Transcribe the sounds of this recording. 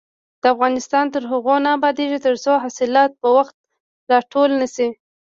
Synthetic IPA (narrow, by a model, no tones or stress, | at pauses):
d̪̥əafɣɑnɪst̪ɑnt̪əɾɦaɣonɑːbɑd̪eʒit̪əɾt͡soɦasɪlɑt̪̚pəwaxt̪̚ | lɑʈʰolnasi